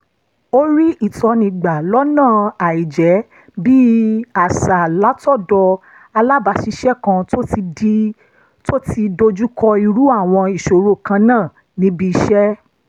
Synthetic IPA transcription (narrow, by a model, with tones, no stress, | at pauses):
o˦ɾi˦ʔi˦˨tɔ˧nĩ˧ɡ͡ba˨lɔ˦nãː˦˨a˨i˨d͡ʒɛ˨˦ | bi˦a˨sa˨la˨˦tɔ˦˨dɔ˧ | a˧la˦ba˧˨ʃi˧ʃɛ˦kã˧˦˧ | to˦ti˧do˧d͡ʒu˦kɔ˧i˧ɾu˦a˦˨w̃ɔ̃˧i˨ʃo˨ɾo˦˨kã˧nãː˦˨ | nĩ˨˦bi˧i˧ʃɛ˦